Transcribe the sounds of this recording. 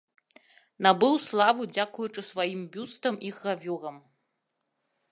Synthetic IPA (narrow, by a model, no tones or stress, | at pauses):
nabɨwslˠavud͡zʲakujut͡ʂɨsvajimbʲust̪ɐmiɣːavʲuɣɐm